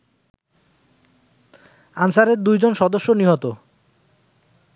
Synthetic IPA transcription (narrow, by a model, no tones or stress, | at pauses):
ansaɾeɾd̪ujd͡ʑonʃɔd̪oʃːoniɦot̪o